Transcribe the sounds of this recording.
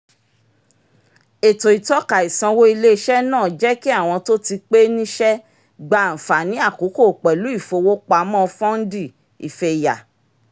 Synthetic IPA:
e˨to˨i˨tɔ˨˦ka˨i˨sã˧wo˦i˧le˦ʃɛ˦nãː˦˨d͡ʒɛ˦ki˦a˦˨w̃ɔ̃˧to˦ti˧k͡pe˦nĩ˦ʃɛ˦ | ɡ͡ba˧˨n̩˨fa˨nĩ˨˦a˦˨ko˨˦ko˦˨k͡pɛ˨lu˨˦i˦˨fo˧wo˦k͡pa˧mɔ̃˦˧fɔ̃˦n̩˦di˦˨ | i˨fe˧˨ja˨

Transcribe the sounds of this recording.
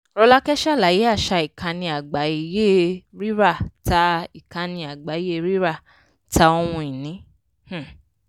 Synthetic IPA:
ɾɔ˧la˦kɛ˦ʃa˦˨la˨˦˨ji˨˦a˦˨ʃa˧i˨kʰã˧nĩ˧a˨ɡ͡ba˨˦i˨˧˨je˦ɾi˦ɾa˦˨ta˧˦i˨kã˧nĩ˧a˨ɡ͡ba˨˦i˨˦je˦˧ɾi˦ɾa˦˨ | ta˧˦ɔ˧w̃ũ˧i˨nĩ˨˦ | h̩˦˨

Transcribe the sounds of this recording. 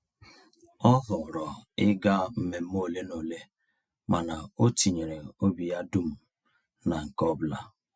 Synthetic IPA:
ɔ˦ɦʊ˨ɾɔ˨ɪ˦ɡa˦m̩˦me˨m̩˦mo˦˨le˦no˨le˦ | ma˨na˨o˦ti˨ɲe˨ɾe˨o˦bi˨ja˦du˦m̩˨ | na˨ŋ̩˨kɔ˦bla˦

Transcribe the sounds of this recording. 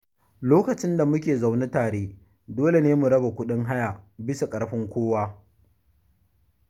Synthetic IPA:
loː˦kɐ˨t͡ʃɪ˦nda˨mʊ˦kʲeː˨za˨wne˦taː˨ɽeː˦ | doː˦le˨neː˦mu˨ɽɐ˦ba˨kʷʊ˦ɗɪ˦ŋɦa˦ja˨bɪ˦sa˨kʼɐ˨ɽɸɪ˦ŋkʷoː˦waː˦

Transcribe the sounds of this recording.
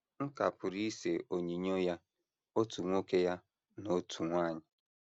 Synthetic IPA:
ŋ̩˦ka̰˨pʊ˨ɾi˦se˨o˨ɲi˨ɲo˦ja˦ | o˦tu˨ŋʷo˦ke˦ja˦ | no˦tʰu˨ŋʷaː˦˨ɲɪ˨

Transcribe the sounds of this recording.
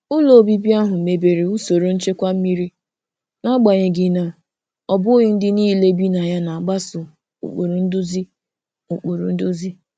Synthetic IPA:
ʊ˦lo˨bi˦bi˦a˦ɦʊ˨me˨be˨ɾi˨u˦so˨ɾo˨˦n̩˦t͡ʃe˦kʷa˦m̩˦mi˦ɾi˦ | na˦ɡ͡ba˨ɲe˨ɡɪ˨na˨ | ɔ˨bʊ˦ɣi˦n̩˦dɪ˦niː˦˨le˦bi˦na˨ja˦na˨a˨ɡ͡ba˦sʊ˨ | ṵ˨k͡po˨ɾu˨n̩˦dʊ˦zi˦ | u˨k͡po˨ɾṵ˨n̩˦do˦zi˦

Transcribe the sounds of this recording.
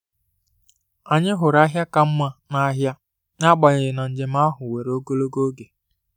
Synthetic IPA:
a˨ɲɪ˦ɦʊ˨ɾa˦ɦja˦ka˦m̩˦ma˦na˦a˦ɦja˦ | ɲa˦ɡ͡ba˨ɲe˨ɾɪ˨na˨n̩˨d͡ʒe˨m̩˦a˦ɦʊ˨we˨ɾo˦ɡo˦lo˦ɡo˦ɡe˨

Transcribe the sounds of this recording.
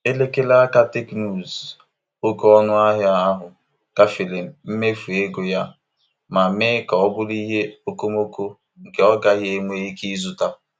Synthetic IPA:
e˦le˦ke˦la˦ka˦te˦knu˦˨z | o˦kɔ˦nʊ˦a˦ɦja˦a˦ɦʊ˨ | ka˨fi˨le˨m̩˨m̩˦me˦fu˨e˦ɡo˨ja˦ | ma˨˦meː˦kɔ˨ɔ˦bʊ˦li˦ɦe˦o˨ko˦mo˦ko˦ | ŋ̩˨ke˨˦ɔ˦ɡa˨˦ɦje˦ŋʷe˦i˦ki˦zu˨ta˦

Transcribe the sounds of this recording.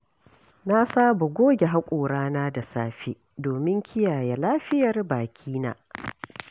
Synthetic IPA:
na˦saː˦bo˨ɡʷoː˦ɡʲe˨ɦa˦kʷʼoː˨ɽaː˦naː˦da˨saː˦ɸi˦ | doː˨mɪ˦ŋkʲʰɪ˦jaː˨ja˦laː˦ɸɪ˦jɐ˨rbaː˨kʲʰiː˦na̰ː˦

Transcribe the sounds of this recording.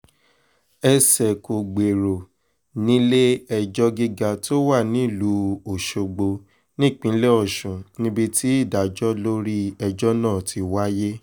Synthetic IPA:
ɛ˧sɛ˨ko˨ɡ͡be˨ɾo˨ | nĩ˨˦le˦ɛ˦d͡ʒɔ˦ɡi˦ɡa˧to˦wa˦˨nĩ˨˦˨lu˨˦o˨ʃo˨ɡ͡bo˧ | nĩ˦˨k͡pĩ˨˦lɛ˦ɔ˦˨ʃũ˨nĩ˦bi˧tʰi˦i˦˨da˨˦d͡ʒɔ˦lo˦ɾi˦ɛ˧d͡ʒɔ˦nãː˦˨tʰi˧wa˦je˦

